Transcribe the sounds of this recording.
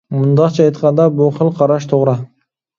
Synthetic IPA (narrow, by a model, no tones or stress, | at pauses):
mʊnd̪ɑt͡ʃʰɑɑjt̪qɑnd̪ɑbʊqʰəlˠqʰɑɾɑʃt̪ʰoʁɾɑ